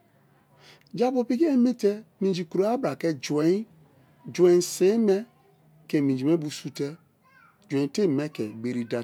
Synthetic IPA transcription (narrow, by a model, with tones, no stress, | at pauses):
d͡ʒa˦bo˨pi˦ki˦ɛ˦me˦tɛ˦mĩ˨d͡ʒi˨ku˨ɾo˨˦a˦bɾa˨kɛ˦d͡ʒwɛ˨ĩ˦ | d͡ʒwɛ̃˨se˨˦mɛ˦ | kɛ˨mĩ˨d͡ʒi˨mɛ˦bu˨su˦tɛ˦ | d͡ʒwẽ˨˦te˦˨mɛ˦kɛ˨be˨ɾi˨da˨